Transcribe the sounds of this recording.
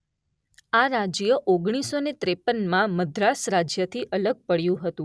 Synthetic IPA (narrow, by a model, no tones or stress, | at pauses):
aɾad͡ʒjəʔoɡɽ̃isonet̪ɾepənmãməd̪ʱɾasɾad͡ʒjət̪ʰiʔələɡ̚pəɽjũɦət̪ũ